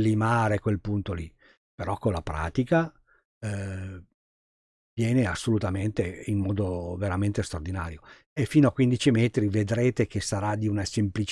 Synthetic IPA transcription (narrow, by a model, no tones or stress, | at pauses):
lːimaːɾekwelpunt̪oli | peɾɔkːolːapɾa̰ːt̪ika | vjɛːneasːolut̪ament̪eimmɔːd̪oveɾament̪est̪ɾard̪ina̰ːɾjo | efːiːnoakwind̪it͡ʃimɛːt̪ɾived̪ɾeːt̪ek̟esaɾad̪iunasemplit͡ʃ